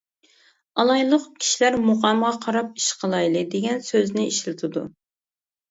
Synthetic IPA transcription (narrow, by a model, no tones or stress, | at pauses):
ɑlˠɑjlˠəqkʲʰi̥ʃilæɾmoʁɑmʁɑqʰɑɾɑp̚i̥ʃqʰəlˠɑjlˠɨd̪eɡʲɛnsøznɪiʃlɪt̪ʰɨd̪u